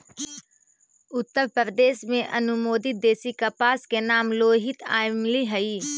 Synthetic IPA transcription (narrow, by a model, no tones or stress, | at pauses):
ʊt̪ːəɾpəɾəd̪eːʃmẽʔɐnʊmoːd̪ɪd̪eːsikɐpaːskenaːmloːɦɪt̪ʰaːɪmliɦɐiː